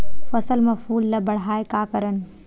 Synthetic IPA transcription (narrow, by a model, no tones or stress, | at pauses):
fɐsəlmɐfuːlːɐbɐɽ̤aːekaːkəɾən